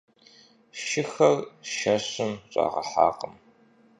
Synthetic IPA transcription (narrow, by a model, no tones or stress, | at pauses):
ʃɪxɐrʃɐɕɪmɕʼa̰ːʁɐħa̰ːqəm